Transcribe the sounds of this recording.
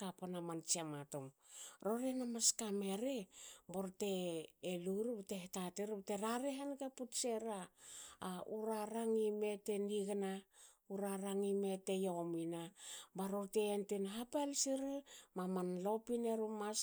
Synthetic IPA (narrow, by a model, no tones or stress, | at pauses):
kapanamant͡ʃiamatomɾo̞ɾenamaskame̞ɾeboɾte̞ːluɾubtehetateɾbteɾaɾeɦanɡaputseɾaː | uɾaɾaŋime̞te̞niɡna | uɾaɾaŋime̞te̞jominabaɾoɾteentenɦapelsiɾimamanlo̞pineɾumas